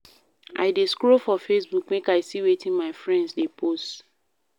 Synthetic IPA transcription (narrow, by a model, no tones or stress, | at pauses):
ʔa̰ɪdeskɹofɔfesbukmekaɪsiwetĩŋmaɪfɹɛ̃ndsdepʰost